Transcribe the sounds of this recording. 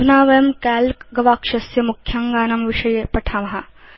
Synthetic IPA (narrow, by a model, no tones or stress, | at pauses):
dʱunaːʋɐjɐmkɛːlkɡɐʋaːkʃɐsjɐmukʰjaŋɡaːnɐmʋiʃɐjepɐʈʰaːmɐɦɐ